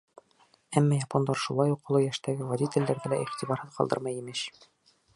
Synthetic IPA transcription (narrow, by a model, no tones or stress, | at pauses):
æmːɑjɑpond̪ɑɾʃulˠɑjuqːŏlˠɤjæʃt̪æɡɘvɐd̪ʲit̪ʲɘ̆lːæɾðælæʔiχt̪ibɑɾhɤðqɒlˠd̪ɤ̰ɾmɑjimɘɕ